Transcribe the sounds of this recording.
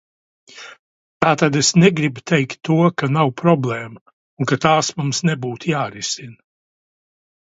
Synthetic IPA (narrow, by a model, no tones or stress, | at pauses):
t̪aːt̪ad̪esnɛɡɾibut̪ɛjkt̪ːuɔkanawpɾɔblˠɛːmɐ | uŋkat̪aːsmumsnɛbuːt̪jaːɾisin